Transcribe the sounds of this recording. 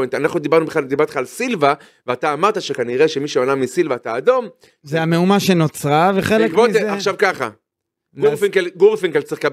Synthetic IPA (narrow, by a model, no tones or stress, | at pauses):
ent̪anaχnud̪ibaʁnubeχlaldibaʁt̪e̥χaːlsilva | veat̪aːmaʁtaʃekaniʁeʃe̞miʃeonamisilvaːt̪aːd̪o̞m | zeame̞umaʃe̞no̞t͡sʁaveχelekmoeaχʃavkaχa̰ | ɡufikelɡuʁfiŋkelt͡siχka